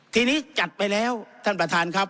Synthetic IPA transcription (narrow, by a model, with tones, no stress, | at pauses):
t̪ʰiː˧niː˦˥t͡ɕa˨˩t̪̚pa˧jlɛː˦˥wt̪ʰa˥˩npɾa˧t̪ʰaː˧nkʰa˦˥p̚